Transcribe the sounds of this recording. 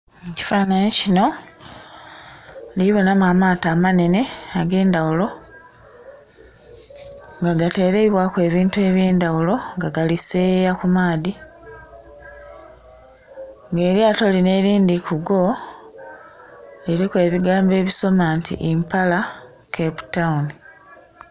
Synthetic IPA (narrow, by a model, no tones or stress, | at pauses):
eci̥faːnaɲecino̞ | liβo̞namamaːtaːmane̞ne̞aɡe̞ːndawulo̞ | ŋɡaɡate̞ːɾe̞iβwakwe̞ːβiːntue̞βjeːndawulo̞ŋɡaɡaliseːjakumaːdi | ŋɡe̞ːɾjaːto̞line̞ɾiːndikuɡo̞ | liɾikwe̞ːβiɡaːmbe̞ːβiso̞maːntḭʔimpala | kʰepu̥tauni